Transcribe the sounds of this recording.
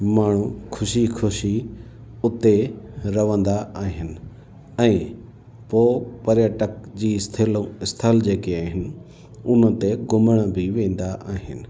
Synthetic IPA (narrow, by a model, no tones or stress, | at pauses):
maːɳ̤ukʰʊʃikʰʊʃiʊt̪eɾɐʋə̃nd̪aʔaːɦɪnɪ̆ | ɛ̃ː | poːpɐɾijəʈək̚d͡ʑiːɪst̪ʰɪlõɪst̪ʰəld͡ʑeːkiaːɦɪnɪ̆ | ʊnə̆t̪eɡʊməɽ̃əbɪʋẽːn̆d̪aʔaːɦɪ̰nɪ̆